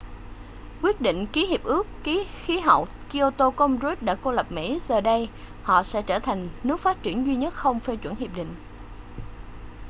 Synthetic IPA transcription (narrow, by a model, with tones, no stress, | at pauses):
kwi˦˥ət̚ɗḭ˧˨ŋ̟ki˨˦hi˨˩əp̚ʔɨ˦˥əkki˨˦xi˨˦ɦə̰˧˨wki˧o˧t̪o˧kə˧mzo˧˦˥t̚ɗa̰ː˧˥ko˧lə˨˩p̚mḭ˧˥zəː˨˩ɗə˧j | hɔ̰˧˨sɛ̰˧˥t͡ɕəː˧˩t̪ʰa˨˩jŋ̟nɨ˦˥ək̚faː˦˥t̚t͡ɕi˧˩ənzwi˧ɲə˦˥t̚xə˧wŋ͡mfe˧t͡ɕwə˧˩nhi˨˩əp̚ɗḭ̈˧˨ŋ̟